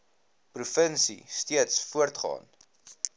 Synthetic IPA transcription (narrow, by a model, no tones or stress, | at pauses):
prufənsḭstiətsfuərtχɑ̰ːn